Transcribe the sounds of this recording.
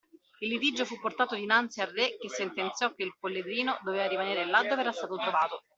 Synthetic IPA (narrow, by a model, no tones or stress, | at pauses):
ilːit̪id͡ʒːofupːort̪aːt̪od̪inant̪siarːek̟esːent̪ent̪sjɔk̟ːeilpolːed̪ɾiːnod̪oveːvaɾimaneːɾelad̪ːoːvɛːɾast̪aːt̪ot̪ɾovaːt̪o